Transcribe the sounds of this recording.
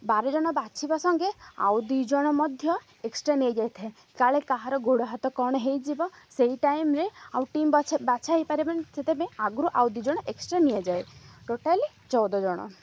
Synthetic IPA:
baɾɔd͡ʒɔɽ̃ɔbat͡ʃʰibasɔŋɡea̰wd̪id͡ʒɔɽ̃ɔmɔd̪ʱjɔ | eksʈɾanied͡ʒajt̪ʰe | kaɭekaɦaɾɔɡʱoɽɔɦat̪ɔkɔɽ̃ɔɦejd͡ʒibɔsejʈajmɾeawʈimbbat͡ʃʰaɦipaɾibant͡ʃʰet̪ebẽaɡɾuʔawd̪id͡ʒɔɽ̃ɔʔeksʈɾanied͡ʒajʈoʈali | t͡ʃɔwd̪ɔd͡ʒɔɽ̃ɔ̰

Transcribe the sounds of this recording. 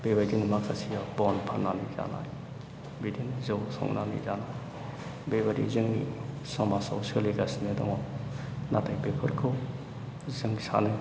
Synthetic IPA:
bebajdinimak̚sasʰijabɔnpʰanːaniza̰na̰j | bidinzɯwsɔ̰ŋnanḭzanaj | bebaɾḭzɯŋi | sɔmasa̰wseliɡasinedɔ̰ŋɔ | natajbepʰuɾkʰɯ | zɯŋsa̰nɯ

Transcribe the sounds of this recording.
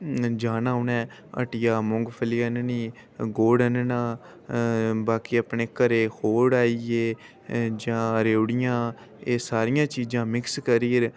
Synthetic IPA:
d͡ʒaːnaːʊnɛ̃ː | ə̰ʈɪjaːmʊŋɡpʰəliənniː | ɡoːɽənənaː | baːkiːəpneːkəɾeːhoːɽaːieː | d͡ʒãːɾeːɽɪjãː | eːsaːɾɪjãːt͡ʃiːd͡ʒãːmɪkskəɾiːɾ

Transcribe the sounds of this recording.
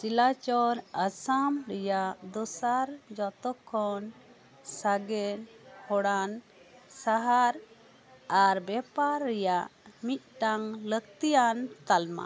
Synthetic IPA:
silat͡ʃɔɾəsamɾɛjaʔd̪ɔsaɾd͡ʒɔt̪ɔkʰːɔn | saɡɛnhɔɽan | saɦaɾ | aɾbɛpaɾːɛjaʔmit̪̚ˀʈaŋlək̚t̪ijant̪alma̰

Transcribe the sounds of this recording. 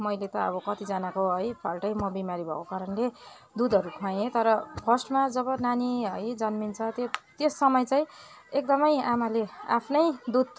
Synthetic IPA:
mʌjlet̪ʌʌ̰bʌkʌt̪id͡zanakoɦʌjbʰalʈʌjmʌbimaɾibʱʌ̰kokaɾʌnle | d̪ud̪ʱʌɾukʰãjẽt̪ʌɾʌpʰʌsʈmad͡zʌβʌnaniɦʌjd͡zʌnmint͡sʰʌt̪jet̪jesːʌmʌjt͡saĩ | ek̚d̪ʌmʌjamalea̰pʰnʌjd̪ud̪̚

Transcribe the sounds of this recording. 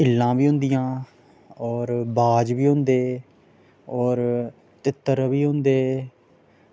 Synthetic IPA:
ɪlːãːʋiːɦʊ̃nd̪ɪjãː | ɔːɾbaːd͡ʒʋiːɦʊ̃nd̪eː | ɔːɾ | t̪ɪt̪ːəɾʋiːɦʊ̃nd̪eː

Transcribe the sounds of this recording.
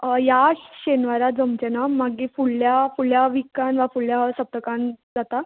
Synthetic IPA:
jaɕenʋaɾad͡zəmt͡ɕenamaɡifuɭːjafuɭjaʋikanʋafuɭjasəp̚t̪əkãnd͡zat̪a

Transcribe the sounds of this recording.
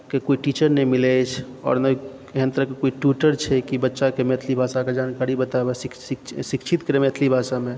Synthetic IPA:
kekoiʈit͡ʃəɾnɛimilɛt͡ʃʰ | ɔ̰ːɾnəi | eɦənt̪əɾəkekoiʈuʈəɾt͡ʃʰɛkibətːʃakemet̪ʰlibʱasaked͡ʒankaɾibət̪abesiksikt͡ʃʰit̪kəɾemet̪ʰlibʱasame

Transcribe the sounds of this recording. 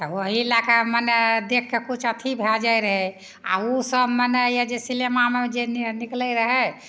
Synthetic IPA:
t̪əwəɦielakaməned̪ekʰːekut͡ʃʰət̪ʰibʱɛld͡ʒajɾəɦɛ | a̰usəbmənɛjad͡ʒesilemamed͡ʒenniklɛɾəɦɛ

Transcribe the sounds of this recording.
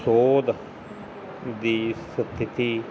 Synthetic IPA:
soːd̪ | d̪iːsət̪ʰːɪt̪iː

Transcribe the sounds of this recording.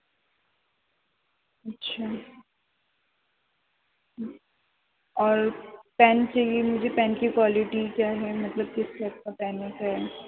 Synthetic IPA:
ɐtːʃʰaː | ɔːɾpɛːnt͡ʃaiimʊd͡ʒʱepɛ̃ːnkikwaːlɪʈikjaːɦɛmɐt̪ləb̚kɪskɛːp̚kapɛːnːekaɦɛ

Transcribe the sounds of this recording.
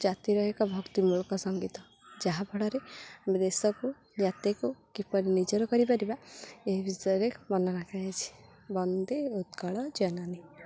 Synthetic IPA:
d͡ʒat̪iɾɔɦekɔbʱɔɡt̪imuɭɔkɔsɔŋɡit̪ɔ | d͡ʒaɦabʱɔɽɔɾeamed̪esɔku | d͡ʒat̪ekukipɔɾinid͡ʒɔɾɔkɔɾipaɾibaeɦibʱisɔjɔɾekmɔnɔnakʰajat͡ʃʰi̥ | bɔnd̪eud̪kɔɭɔd͡ʒɔnani

